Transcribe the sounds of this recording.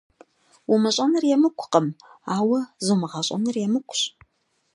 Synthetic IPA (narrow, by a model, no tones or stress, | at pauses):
wʊmɨɕʼɐnɨrjɛmɨkʷʰʊ̥qəmaːwɐzumɨʁɐɕʼɐ̰nɨrjɛmɨkʷʰʊ̥ɕ